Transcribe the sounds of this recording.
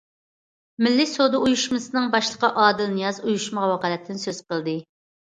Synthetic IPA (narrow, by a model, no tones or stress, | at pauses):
mɪlːɪsod̪ɨujuʃmɨsɨnɨŋbɑʃlˠəqɑʔɑːd̪ɨlnjɑzujuʃməʁɑwɑqɑːlɛt̪ʰːɪnsøz̥qəlˠd̪ɨ